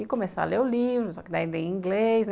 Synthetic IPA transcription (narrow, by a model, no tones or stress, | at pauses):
ikõmesa̰leʊlivɾʊsɔkɪd̪aĩlẽĩŋɡlesn